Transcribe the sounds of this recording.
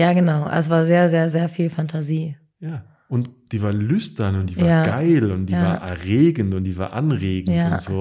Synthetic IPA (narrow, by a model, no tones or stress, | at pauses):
jaːɡənaʊʔa̰s̬v̥aːɐzeːɐzeːɐzeːɐfiːlfantʰaziː | jaː | ʔʊntd̥iːvaːɐlʏstɐnʊntd̥iːjaɐaːɡaɪlʊntd̥ijːavaːɐʔɛ̰ɐʁeːɡn̩tʊntd̥iːva̰ːɐʔa̰nʁeːɡŋ̩jatːʊntz̥oː